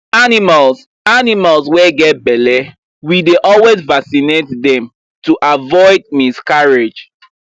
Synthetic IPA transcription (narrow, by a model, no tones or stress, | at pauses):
animals | animalswɛɡɛt̚bɛlɛ | wideʔɔlwezvasinetdɛ̃m | tuʔavɔɪd̚miskaɹed͡ʒ